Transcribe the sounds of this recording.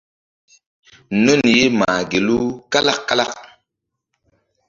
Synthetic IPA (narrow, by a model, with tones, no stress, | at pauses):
no˦˨nje˦ma˨ɡe˨lu˦ka˦la˦kːa˦la˦˨kk̚